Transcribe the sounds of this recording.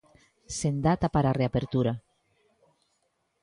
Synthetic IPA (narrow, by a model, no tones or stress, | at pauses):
send̪at̪apaɾareapeɾt̪uɾa